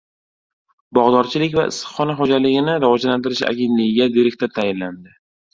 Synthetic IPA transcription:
bɒʁd̪ɒɾt͡ʃʰɪlɪkʲvaɪ̰sɨ̥χːɒnaχɒd͡ʒalɪɡʲɪnɪɾavɒd͡ʒlant̪ʰɪɾɪʃa̰ɡʲent̪lɪɡʲɪɡʲad̪eɾek̚ʲt̪at̪ʰajɪnland̪ɪ

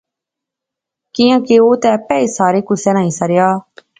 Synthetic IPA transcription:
kɪjãːkeoːt̪ɛ̃ːpɛːiːsaːɾeːkʊsɛːnaːɦĩːsəɾɪjaː

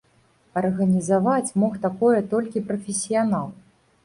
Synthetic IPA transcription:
ɐrɣɐnʲizavat͡sʲmɔxt̪akɔjɛt̪ɔlʲkʲipɾɐfʲesʲijanalˠ

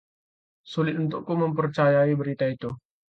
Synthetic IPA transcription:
sulɪt̪̚unt̪ʊʔkːuməmpərt͡ʃajaibəɾit̪ait̪u

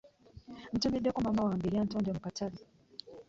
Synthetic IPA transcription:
m̩tumiɗɔkɔmamawaːmbiɾian̩tɔnd͡ʒam̩katali

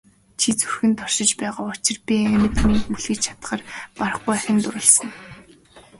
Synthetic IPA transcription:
t͡ɕʰit͡sɵrxɘ̆nt̪ʰɔr̥ʃɪ̆t͡ɕpæːʁaːʊt͡ɕʰɪ̆rpʲiæmʲɘ̆t̪miŋmuɮɘ̆ːt͡ɕt͡ɕʰḁt̪χə̆ːrpaɾə̆χujaxʲɪ̆nt̪ʊɾʊ̆ɮsə̆ŋ

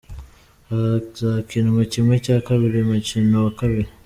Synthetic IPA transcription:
azakinomocimwecaːkaβiɾimacinowakaβiɾi

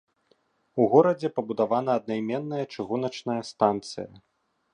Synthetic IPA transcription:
uɣɔɾɐd͡zʲɛpɐbud̪avan̪ɐːd̪̚najmʲɛnːɐjɐt͡ʂɨɣunɐt͡ʂnɐjɐst̪ant̪sɨ̰jɐ̰

